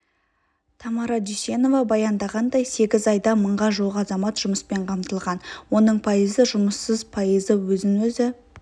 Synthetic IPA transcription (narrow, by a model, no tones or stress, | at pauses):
t̪ʰɑmɑɾɑd̪isʲe̞no̞vɑbɑjɑnd̪ɑʁɑnd̪ɑjse̞ɡʲɪzɑjd̪ɑməɴʁɑʒuʁəɑzɑmɑt̪ʒ̥ʊməspe̞ɴqʰɑmt̪əlˠʁɑnwo̞nəɴpʰojəzəʒʊməsːəzpʰojəzəwɵzɪnwɵzɪ